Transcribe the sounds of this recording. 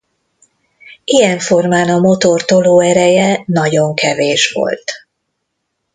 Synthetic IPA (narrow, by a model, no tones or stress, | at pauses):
ijɛɱfo̞rmaːnɒmo̞t̪o̞rt̪o̞loːɛɾɛjɛnɒɟo̞ŋkʰɛveːʃʋo̰lt̪